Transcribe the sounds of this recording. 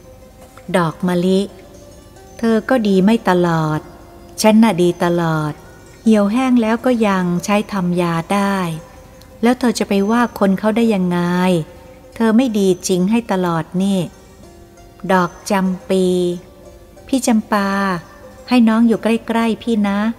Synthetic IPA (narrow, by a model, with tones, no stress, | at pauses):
dɔː˨˩k̚ma˧li˦˥ʔ | t̪ʰɤː˧kɔː˥˩diː˧ma˥˩jt̪a˧lɔː˨˩t̪̚ | t͡ɕʰa˦˥nːa˦˧˩diː˧t̪a˧lɔː˨˩t̪̚ | hi˨˩əwɦɛː˥˩ŋlɛː˦˥wkɔː˥˩ja˧ŋt͡ɕʰa˦˥jt̪ʰa˧mjaː˧daː˥˩j | lɛː˦˥wt̪ʰɤː˧t͡ɕa˨˩pa˧jwaː˥˩kʰo˧nkʰa˥˩wdaː˥˩jːa˧ŋːa˧j | t̪ʰɤː˧ma˥˩jdiː˧t͡ɕi˧ŋɦa˥˩jt̪a˧lɔː˨˩t̪̚niː˥˩ | dɔː˨˩k̚t͡ɕa˧mpiː˧ | pʰiː˥˩t͡ɕa˧mpaː˧ | ha˥˩jnɔː˦˥ŋjuː˨˩kla˥˩jkɾa˥˩jpʰiː˥˩na˦˥